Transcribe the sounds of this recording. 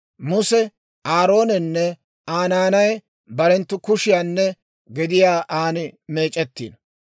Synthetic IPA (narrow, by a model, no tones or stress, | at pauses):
mʊsɛ | aːɾo̞ːnɛnːɛ | aːnaːnɐj | bɐɾɛnt̪ːʊkʊʃɪjaːnːɛ | ɡɪd̪ɪjaːʔaːnɪme̞ːt͡ʃʼɛt̪ːḭːn